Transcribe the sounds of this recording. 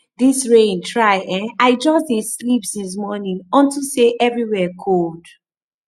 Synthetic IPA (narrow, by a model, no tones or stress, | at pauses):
ðisɹẽntʰɹaɪʔɛ̃naɪd͡ʒɔsteslipdis̬mɔnĩŋɔ̃ntuseʔɛvɹiwɛkʰold̥